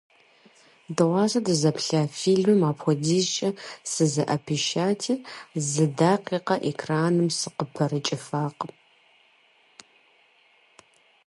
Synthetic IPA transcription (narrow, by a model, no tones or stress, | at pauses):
dɨʁʷɑːzɐdɨzɐpʰɬaːfiːɮmɨmaːpxʷɔdiːzt͡ʃʼɐsɨzɐʔɐpʰiʃaːtʰizɨdaːqiːqɐʔekʰraːnɨmsɨqəpʰɐɾɨt͡ʃʼɪfaːq